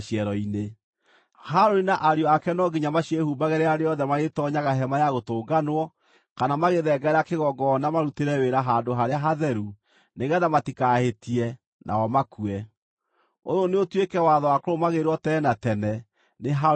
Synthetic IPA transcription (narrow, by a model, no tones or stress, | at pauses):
ʃiɛɾɔine | haɾoɾinaʔaɾeɔakɛnɔɡiɲamaɕjɛhubaɣɛɾeaɾeɔðɛmaɣetɔɲaɣaɦɛmajaɣotoːɡanwɔ | kanamaɣeðɛɡaɛɾakeɣɔɡɔːnamaɾuteɾɛweɾaɦandoɦaɾeaɦaðɛɾu | neɣɛðamatikahetiɛ | nʔa̰ɔmakuɛ | ojoneotwekɛwaðɔwakoɾomaɣeɾwɔtɛːnatɛnɛ | neɦa